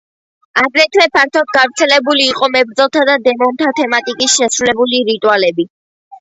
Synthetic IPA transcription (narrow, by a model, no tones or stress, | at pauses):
aɡɾɛt̪ʰwɛpʰaɾ̚t̪ʰɔt̪̚ɡavɾt̪sʰɛlɛbuliːqʼɔmɛbɾd̪zɔlˠt̪ʰad̪ad̪ɛmɔnt̪ʰat̪ʰɛmat̪ʼikʼisʃɛsɾulɛbuliɾit̪ʼualɛbi